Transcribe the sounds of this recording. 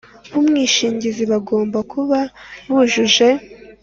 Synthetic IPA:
βumŋiːʃiːɲɟiziβaɡo̞ːmbakʰuβaβuʒuʒe̞

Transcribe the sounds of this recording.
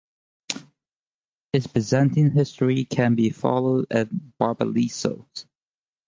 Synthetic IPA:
hɨzpɹ̥ɨzɛ̃ntɪ̃ŋɦɪstɹ̥ikʰɨ̃nbifɑ̰lˠoʊɾɨt̚b̥ɑɹbə̰liso̰ʊz̥

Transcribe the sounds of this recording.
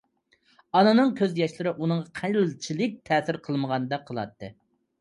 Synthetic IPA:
ɑnɨnɨŋkʲʰøzjɛʃlɪɾɪʔunɨŋʁɑqʰæjɪlt͡ʃʰilɪk̚ʲt̪ʰɛːsɪɾqʰəlˠməʁɑnɨd̪ɑqʰəlˠɑ̰t̪ːɨ

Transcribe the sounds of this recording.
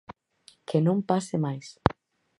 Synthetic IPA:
kʰenõmpasɪmajs

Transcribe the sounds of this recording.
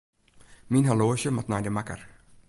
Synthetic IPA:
minɦaloːʃəmat̚najdəmakə̰r

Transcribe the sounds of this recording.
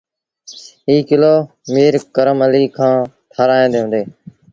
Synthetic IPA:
ɦiːkɪloː | miːɾkəɾəməliːkʰãː | t̪ʰaːɾaːẽːd̪eːɦʊ̃ːnd̪eː

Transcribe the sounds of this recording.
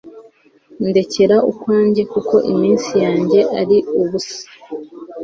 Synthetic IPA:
nde̞ce̞ɾaukwaːɲɟe̞kuko̞ʔimiːnsijaːɲɟe̞ʔaɾiuβusḁ

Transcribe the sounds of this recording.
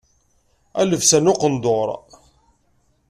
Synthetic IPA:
æ̰ləvsænoqənd̪oɾˤ

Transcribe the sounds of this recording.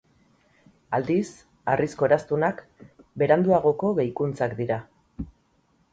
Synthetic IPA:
ald̪is | arisko̞eɾast̪unakbe̞ɾand̪uaɣ̞o̞ko̞ɣejkunt͡sakd̪iɾa

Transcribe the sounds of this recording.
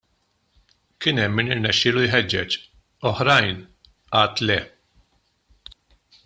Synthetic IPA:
kɪnɛmːɪnɪɾnɛʃːɪːlujɦɛd͡ʒːɛt͡ʃ | ɔħɾɐjn | ɐːt̪lɛ

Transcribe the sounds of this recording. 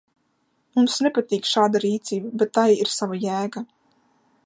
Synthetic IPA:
mumsnepat̪iːkʃaːd̪aɾiːt̪siːbabet̪ːajiɾsavajæːɡa

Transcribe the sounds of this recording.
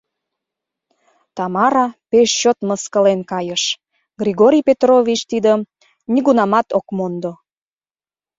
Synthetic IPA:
t̪ɑmɑɾɑpeʃt͡ɕot̪məskəlenkɑjəʃ | ɡrʲiɣoɾʲijpet̪rovʲit͡ɕt̪id̪ə | niɣunɑmɑt̪okmond̪o

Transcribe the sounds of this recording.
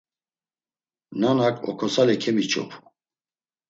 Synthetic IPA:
nanakʼɔ̰kʰɔsalɛkʰɛmit͡ʃʰʼɔ̰pʰ

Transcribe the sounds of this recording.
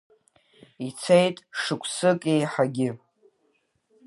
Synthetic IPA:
it͡sʰejtʼʂɨkʷʰsɨkʼejħaɡʲɪ

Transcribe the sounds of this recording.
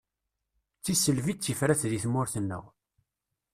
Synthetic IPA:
t͡sːisəlvit͡sːəfɾæθðiθmːʊɾθənːʊ̰ʁ

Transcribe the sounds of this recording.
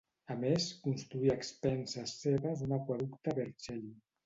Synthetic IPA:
ameskunst̪ɾuiaəkspɛnsasːeβazunakwaðukt̪aβeɾt͡ʃɛʎ

